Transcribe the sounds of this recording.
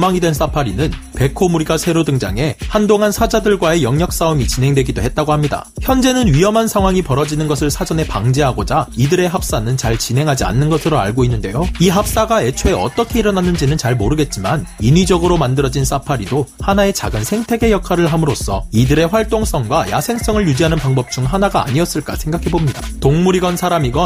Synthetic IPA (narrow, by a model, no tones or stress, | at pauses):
maŋidwens͈ʰapʰaɾinɯnpe̞kʰomuɾiɡasʰe̞ɾodɯŋd͡ʑa̰ŋe̞handoŋɦansʰad͡ʑadɯɭɡwae̞jʌŋɲjʌk̚s͈aumit͡ɕinɦe̞ŋdwe̞ɡidohe̞t̚t͈aɡohamɲida̰çjʌnd͡ʑe̞nɯnɥijʌmɦansʰaŋɦwaŋipʌɾʌd͡ʑinɯnɡʌsʰɯɭsʰad͡ʑʌne̞paŋd͡ʑe̞ɦaɡod͡ʑaidɯɾe̞ɦap̚s͈anɯnt͡ɕaɭt͡ɕinɦe̞ŋɦad͡ʑia̰nːɯnɡʌsʰɯɾoa̰ɭɡoinːɯnde̞joiɦap̚s͈aɡae̞t͡ɕʰoeʌ̰t͈ʌkʰe̞iɾʌnanːɯnd͡ʑinɯnt͡ɕaɭmoɾɯɡe̞t̚t͡ɕ͈imaninɥid͡ʑʌɡɯɾomandɯɾʌd͡ʑins͈ʰapʰaɾidohanae̞t͡ɕa̰ɡɯnsʰe̞ŋtʰe̞ɡe̞jʌkʰaɾɯɭɦamɯɾos͈ʰʌ̰idɯɾe̞ɸwaɭt͈oŋs͈ʌŋɡwaja̰sʰe̞ŋs͈ʌŋɯɭjud͡ʑiɦanɯnpaŋbʌp̚t͡ɕ͈uŋɦanaɡa̰ːɲiʌs͈ɯɭk͈a̰sʰe̞ŋɡakʰe̞bomɲida̰toŋmuɾiɡʌnsʰaɾamiɡʌ